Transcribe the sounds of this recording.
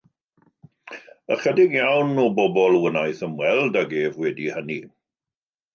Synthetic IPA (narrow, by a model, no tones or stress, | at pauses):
ə̰χɛdɪɡjawnːɔbɔbɔlˠwənajθəmwɛlˠdaɡeːvwɛdihəni